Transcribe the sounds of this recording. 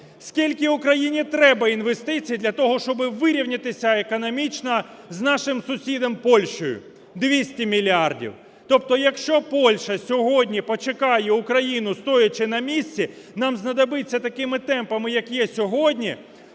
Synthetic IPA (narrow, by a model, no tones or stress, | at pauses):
skʲilʲkɪʊkɾɐjinʲit̪ɾɛbɐinʋest̪ɪt͡sʲijid̪lʲɐt̪ɔɦɔʃt͡ʃɔbɪʋɪɾʲiwnʲɪt̪ɪsʲɐekɔnɔmʲit͡ʃnɐ | znɑʃɪmsʊsʲid̪ɐmpɔlʲʃt͡ʃɔjʊ̰ | d̪ʋʲisʲtʲimʲilʲiardʲḭw | t̪ɔp̚t̪ɔjɐkʃt͡ʃɔpɔlʲʃɐsʲɔɦɔdʲnʲipɔt͡ʃekɑjɛʊkɾɐjinʊst̪ɔjɐt͡ʃɪnɐmʲisʲtt͡sʲi | nɑmznɐd̪ɐbɪt͡sʲːɐt̪ɐkɪmɪt̪ɛmpɐmɪjɐkjɛsʲɔɦɔdʲnʲi